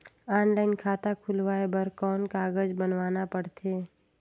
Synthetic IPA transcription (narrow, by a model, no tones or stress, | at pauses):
aːnlaːɪnkʰaːt̪akʰʊlʋaːebəɾkɔːnkaːɡəd͡ʒbənʋaːnapəɽt̪ʰeː